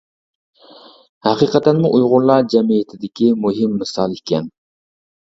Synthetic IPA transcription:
hæqʰiːqɛt̪ænmʊʔujʁʊɾlˠɑd͡ʒɛmijet̪ʰɪd̪ɪkʲimuɦɪmːɨsɑlˠikʲɛn

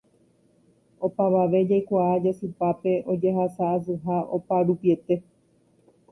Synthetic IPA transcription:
o̞paʋaʋe̞d͡ʒajkʷaad͡ʒasɨpape̞ʔo̞d͡ʒeɦasaːs̬ɨɦaʔo̞paɾupie̞t̪e̞

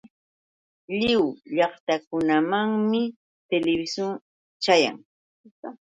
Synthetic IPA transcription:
ʎɪwʎɑχt̪akʊnamaŋmɪ | t̪elɪbɪsjʊŋ | t͡ʃaja̰ŋ

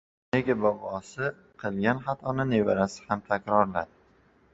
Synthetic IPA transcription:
ne̞ɡʲabɒbɒsɪ | qʰɨlˠɡʲanχat̪ʰɒnɪnevaɾasɪ̥hamt̪ʰakʲɾɒɾlad̪ɪ

